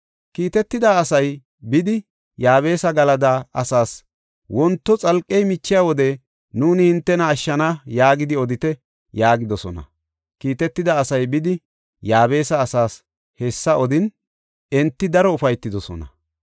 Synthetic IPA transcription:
kiːt̪ɛt̪ːɪd̪aːɐsɐj | bɪd̪ɪ | jaːβe̞ːsɐɡɐlɐd̪aɐsaːs | wɔnt̪ːɔt͡sʼɐlkʼːɛjmɪt͡ʃːɪjawɔd̪ɛ | nuːnɪhɪnt̪ːɛnɐːʃːɐnajaːɡɪd̪ɪɔd̪ɪt̪ɛ | jaːɡɪd̪ɔsɔnɐ̰ | kiːt̪ɛt̪ːɪd̪aːsɐjbɪd̪ɪ | jaːβe̞ːsɐːsaːs | hesːɐɔd̪ɪn | ɛnt̪ːɪd̪ɐɾɔʊfɐjt̪ːɪd̪ɔsɔ̰nɐ̰

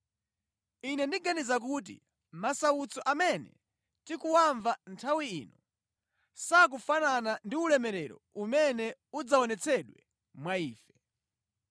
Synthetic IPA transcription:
inɛndiɡanizak̬uːt̬ḭ | masaut͡sɔʔamɛnɛ̰ | tikuwaɱvantʰawiiːnɔ | sak̬ufananandiulɛmɛɾɛɾɔ̰umɛnɛud͡zaɔnɛt͡sʰɛɗwɛ | mwaiːfɛ̥

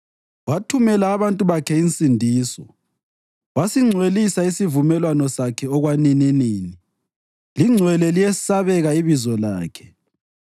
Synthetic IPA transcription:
watʰumɛlaːβantʼuβakʰɛint͡sʼindʱiːsɔ | wasiŋ͡ǀʱwelisaisivumɛlwanɔsakʰɛɔɣwanininiːni | liŋ͡ǀʱwɛlɛlijɛsaβɛɣaiβizɔlaːkʰɛ̥

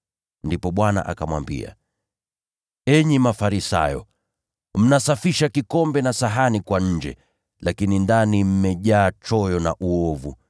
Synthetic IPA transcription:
ndipɔɓwana̰ʔakamwa̰mbḭa̰ | ɛɲimafaɾisa̰jɔ̰ | m̩nasafiʃakikɔmbɛnasaɦanikwaɲ̩d͡ʒɛ̰ | lakinindanim̩mɛʄaːt͡ʃɔjɔnaʔuɔvu

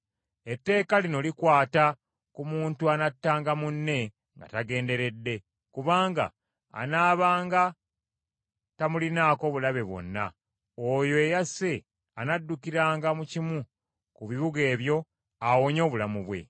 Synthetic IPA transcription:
e̞tːe̞ːkalino̞likwaːta | kumuːntuanatːaːŋɡamunːe̞ | ŋɡa̰taɡe̞ːnde̞ɾe̞dːe̞ | kuβaːŋɡa̰ː | naːβaːŋɡa | tamulinaːko̞βulaβe̞βwo̞̰nːa̰ | ojo̞ejase̞ | anadːukiɾaːŋɡamucimu | kuβiβuɡe̞ːβjo̞ | awoɲo̞ːβulamuβwe̞̰

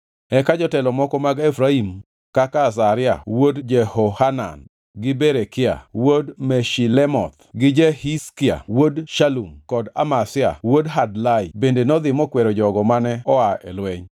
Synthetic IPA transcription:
ɛkad͡ʒɔtɛlɔmɔkɔmaɡefɾaim | kakas̬aɾɪa̰wodd͡ʒɛhohana̰n | ɡɪbeɾekɪa̰wodmɛʃilɛmɔ̰t̪ɡɪd͡ʒɛhiskɪa̰wodʃalumkɔda̰masɪa̰wodɦadlajbendenɔd̪ɪmɔkwɛɾɔd͡ʒɔɡɔmanɛɔaɛ̰lwɛɲ

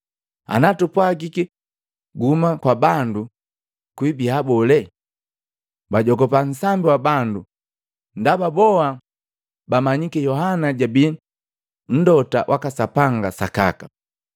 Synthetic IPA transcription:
a̰natupwaɡiki | ɡumakwabandu | kwibihabɔlɛ | baɟɔɡɔpan̩sambiwabandu | ndababɔa | bamaɲikɛjɔɦanaɟabi | n̩dɔta̰ʔwʔakasapaŋɡasa̰ka̰ka

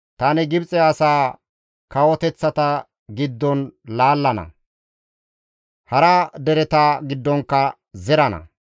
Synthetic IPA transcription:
t̪ɐnɪɡɪbt͡sʼɛɐsaː | kɐwɔt̪ɛt͡sːɐt̪ɐ | ɡɪd̪ːɔnlaːlːɐnɐ̰ | hɐɾɐd̪ɛɾɛt̪aːɡɪd̪ːɔŋkːɐ | zɛɾɐnɐ̰

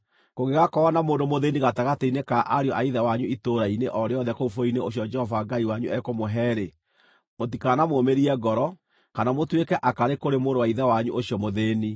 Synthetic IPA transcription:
koɣeɣakɔɔnamoːndomoðeniɣataɣateinekaʔaɾeɔʔaiðɛwaɲuitoɾaineʔɔɾeɔðɛkoufoineoɕ̬jɔd͡ʒɛhɔvaɡaiwaɲuʔɛkomoɦɛɾe | motikanamoːmeɾiɛɡɔɾɔ | kanamotwekɛʔakaɾekoɾemoɾowaiðɛwaɲuʔoɕiɔmoðeni

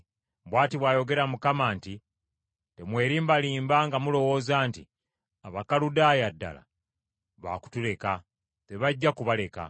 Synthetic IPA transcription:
bwaːtiβwaːjo̞ɡe̞ɾamukamaːnti | te̞mwe̞ːɾiːmbaliːmbaŋɡamulo̞wo̞zaːntḭ | aβakaludaːjadːa̰la̰ | βa̰ku̥tule̞ka | te̞βaɟːakuβale̞ka̰

